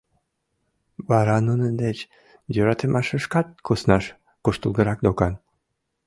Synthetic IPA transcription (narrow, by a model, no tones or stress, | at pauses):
βɑɾɑnunənd̪et͡ɕ | jøɾɑt̪emʔɑʃəʃkɑt̪̚kʰusnɑʃ | kuʃt̪əlˠɡəɾɑk̚d̪okɑn